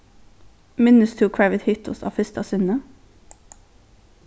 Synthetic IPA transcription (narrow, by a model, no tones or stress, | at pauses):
mɪnʉst̪ʰuːkʰɹæʋət̪hʏt̪ʰʊ̰sɑ̰ːfʏst̪ɑsʏnə